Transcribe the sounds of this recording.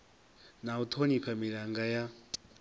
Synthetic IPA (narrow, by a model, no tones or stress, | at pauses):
naut̪ʰoniɸʰamiɺaŋɡaja